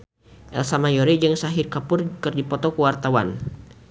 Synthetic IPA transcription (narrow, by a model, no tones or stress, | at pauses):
ʔɛlsamajɔɾid͡ʒɨŋsaɦɪrkapʊrkɨrdipɔt̪ɔkəwart̪awa̰n